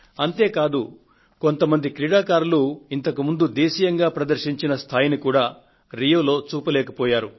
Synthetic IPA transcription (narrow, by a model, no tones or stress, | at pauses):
ɐnt̪e̞ːkaːd̪u | ko̞nt̪ɐmɐnd̪ikɾiɽaːkaːɾuluint̪ɐkumund̪ud̪eːʃijɐŋɡaːpɾɐd̪ɐɾʃiɲt͡ʃinɐst̪ʰaːjinikuːɽaː | ɾijoːlo̞ːt͡ʃuːpɐlɛːkɐpɔːjaːɾu